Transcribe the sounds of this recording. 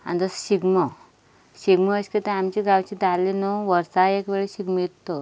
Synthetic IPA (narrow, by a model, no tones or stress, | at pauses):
a̰nd̪əsɕiɡmə | ɕiɡməəɕkit̪ẽamt͡ɕiɡãwt͡ɕiːd̪alinoʋəɾsaekʋeɭiɕiɡmit̪ːo